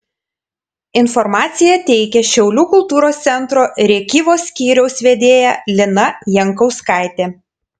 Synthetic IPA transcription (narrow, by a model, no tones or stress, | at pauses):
ɪnfɔɾmɑːt̪sʲɪjɛt̪ʲɛɪkʲɛʃʲɛʊlʲuːkʊlˠt̪uːɾoːst̪sʲɛnt̪ɾoːɾʲɛːkʲiːʋoːsʲkʲiːɾʲɛʊsʋʲeːd̪ʲeːjælʲɪnɐjɛŋkɒʊskɑˑɪt̪ʲeː